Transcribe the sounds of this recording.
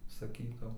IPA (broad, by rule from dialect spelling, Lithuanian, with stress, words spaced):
sɐˈkʲiːtɐʊ